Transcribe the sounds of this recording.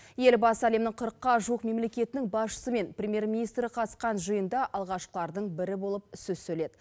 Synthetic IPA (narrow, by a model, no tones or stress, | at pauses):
je̞lbɑsæle̞mnɪɴqʰʊɾəqːɑʒuwəqme̞mle̞kʲe̞t̪ɪnɪŋbɑsʃə̥səme̞nprʲemje̞rmʲinijst̪ɾəqʰɑt̪əsqɑnʒəjənd̪ɑʔɑlˠʁɑʃqlˠɑɾd̪əɴbɪɾɪbo̞lˠəp̚ʏsɵzsɵle̞d̪ɪ